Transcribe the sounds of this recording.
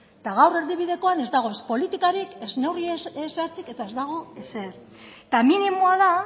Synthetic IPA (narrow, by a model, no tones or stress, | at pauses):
t̪aɣ̞awre̞ɾðiβiðe̞ko̞ane̞zd̪aɣ̞o̞espo̞lit̪ikaɾike̞zne̞wrieesaɾt͡sike̞t̪aezd̪aɣ̞o̞e̞seðt̪aminimoaða